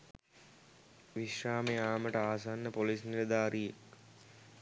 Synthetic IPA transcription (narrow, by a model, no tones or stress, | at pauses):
ʋiʃraːmejaːməʈəaːsanːəpolisniləd̪aːɾijek